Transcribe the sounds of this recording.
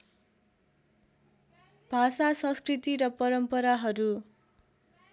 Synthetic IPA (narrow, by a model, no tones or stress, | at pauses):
b̥ʱasasʌ̃nskrit̪iɾʌpʌɾʌmpʌɾaɦʌɾu